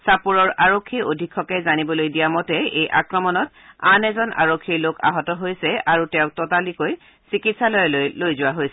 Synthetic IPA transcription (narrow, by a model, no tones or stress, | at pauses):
sapuɹɔɹaɹokʰːiʔodʱikʰːɔkɛzanibɔlojdijamɔtɛejʔa̰kɹɔmɔnɔt̚ | anɛzɔna̰ɹokʰːiɹloka̰ɦɔtɔɦojsɛʔaɹutɛʊ̃k̚tɔtalikoj | sikitsalɔjɛllojzʊwaɦojsɛ